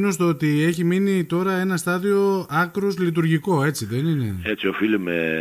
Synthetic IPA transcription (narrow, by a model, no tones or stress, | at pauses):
nost̪oot̪ieçiminit̪o̞ɾɐe̞nɐst̪ɐðio̞ɐkɾozlit̪̬uɾʝiko̞e̞t͡siðe̞ninḛet͡sio̞filime